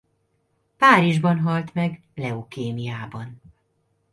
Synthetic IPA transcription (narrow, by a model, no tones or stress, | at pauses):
paːɾiʒbɒnɦɒlt̪mɛɡ | lɛokeːmijaːbɒn